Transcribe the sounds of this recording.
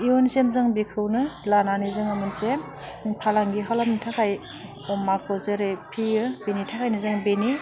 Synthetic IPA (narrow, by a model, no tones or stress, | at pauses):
iwɯnsemzɯŋbikʰɯwnɯlananizɯŋɯmɯnsem | pʰalaŋɡiɦalap̚nitʰakʰaj | ɔmakʰɯzɯɾɯjpʰiɯbenitʰakʰajnɯzɯŋbeni